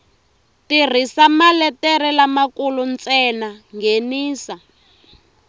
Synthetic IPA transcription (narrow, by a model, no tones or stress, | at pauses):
tir̤isamalɛtɛɾɛlamakulunt͡sɛnaŋɡeniːsa